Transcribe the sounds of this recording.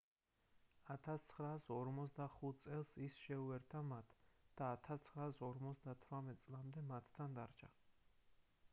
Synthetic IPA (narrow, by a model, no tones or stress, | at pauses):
at̪ʰast̪sʰχɾaːsɔɾmɔt̪sd̪aχut̪̚ʰt̪sʼɛlˠsisʃɛuɛɾt̪ʰamat̪ʰd̪̥aːt̪ʰast̪sʰχɾaːsɔɾmɔt̪sd̪at̪ʰwɾamɛt̪̚t̪sʼlˠamd̪ɛmat̪ʰːand̪aɾt͡ʃʰa